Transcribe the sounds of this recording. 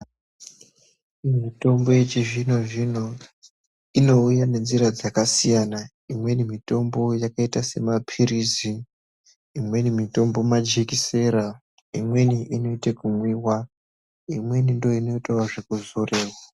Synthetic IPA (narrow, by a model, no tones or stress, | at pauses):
mito̞mbo̞jet͡ʃiʐino̞ʐino̞ | ino̞ujane̞nd͡ziɾad͡zakasijana | imwe̞nimito̞mbo̞jakaitase̞mapʰiɾiziː | mwe̞nimito̞mbo̞mad͡ʒekise̞ɾa | imwe̞niʔino̞itekumwiwa | imwe̞nindo̞ino̞itawaʐe̞kuzo̞re̞ːwa